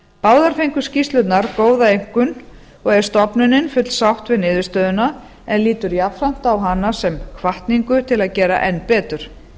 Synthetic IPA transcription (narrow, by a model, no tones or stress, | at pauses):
paːwðaɾ̥fejŋkʏ̥scist̪lʏt̪naɾkoːwðaejŋ̥kʏn | ɔɣɛɾ̥st̪ɔpnʏnɪnfʏt̪l̥sawht̪vɪðnɪːðɪst̪œːðʏna | ɛnliːt̪ʏɾjapfɾam̥t̪awɦanːasɛmkʰvaht̪niŋkʏt̪ʰɪlaðcɛːɾa̰ʔɛnpɛːt̪ʏɾ̥